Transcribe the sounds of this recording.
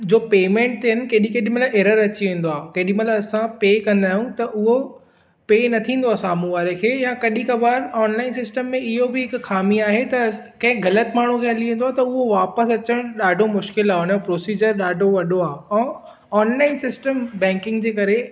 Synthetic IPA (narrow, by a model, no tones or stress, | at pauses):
d͡ʑoːpeːmẽɳʈɦɪnɪ̆kɐːɗĩkeːɗĩmɐt̪laeːɾəɾɐt͡ɕiʋẽːn̆d̪oaːkɐːɗĩmɐt̪laɐsãpeːkɐ̃nd̪aːɦijũt̪ɐʔʊɦo | peːnɐt̪ʰĩːnd̪oaːsaːmũʋaːɾekʰeːjãkɐɗĩkɐbaːɾɔːnlaːɪnsɪsʈəmːẽɪɦobɪɦɪkxaːmiaːɦet̪ɐ | kɐ̃ɦɪ̃kɡɐlət̪maːɳ̤ukʰeɐliẽːn̆d̪oaːt̪ɐʊɦoʋaːpəsɐt͡ɕəɽ̃ɗaːɖʱomʊʃkɪlaːɦonpɾoːsiːd͡ʑəɾɗaːɖʱoʋɐɗoaːɛ̃ː | ɔːnlaːɪnsɪsʈəmbɛ̃ːŋkɪ̃ŋɡd͡ʑeːkɐɾe